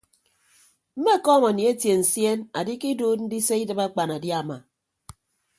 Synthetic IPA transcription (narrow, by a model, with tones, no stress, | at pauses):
m̩˦me˦˨kɔː˦ŋa˨ni˨e˦tje˨n̩˨sje˦na˨di˦ki˦duː˦t̚n̩˦di˦se˦i˦dɨ˨ba˦k͡pa˨na˨dja˨ma̰˨